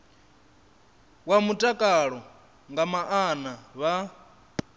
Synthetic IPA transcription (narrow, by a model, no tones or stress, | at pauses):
wamutʼakʼaɺɔ | ŋɡamaʔanaβa